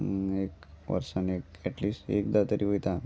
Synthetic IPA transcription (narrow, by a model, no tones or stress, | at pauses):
ekʋə̰ɾsanekɛʈliːsʈḛkd̪at̪əɾiʋojt̪a